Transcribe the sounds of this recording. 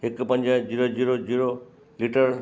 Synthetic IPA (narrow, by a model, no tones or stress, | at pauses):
ekpənd͡ʒad͡ʑiɾod͡ʒiɾod͡ʒiɾo | liʈəɾ